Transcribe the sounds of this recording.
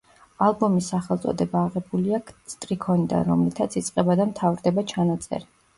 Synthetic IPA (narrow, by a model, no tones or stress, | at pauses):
alˠbɔmisːaχɛlˠt̪sʼɔ̰d̪ɛbaːʁɛbuliakst̪ʼɾikʰɔnid̪a̰nɾɔmlit̪ʰat̪sʰit̪sʼqʼɛbad̪amt̪ʰavɾd̪ɛbat͡ʃʰanat̪sʼɛ̰ɾi